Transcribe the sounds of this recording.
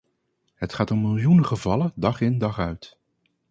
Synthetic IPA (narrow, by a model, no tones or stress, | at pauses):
ɦətχaːtɔmːɪlˠjunəχəvɑlədɑχɪndɑχœɥt